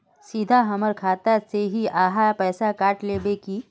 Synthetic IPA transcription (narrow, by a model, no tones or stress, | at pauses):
sid̪ʱaɦəməɾkʰaːt̪aseɦiʔaːɦapɛːsakaːʈleːbeki